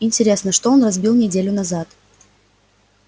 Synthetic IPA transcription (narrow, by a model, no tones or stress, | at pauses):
ɪnʲtʲɪɾʲe̞snəʂt̪oonrɐzbʲilˠnʲɪdʲelʲʊnɐzat̪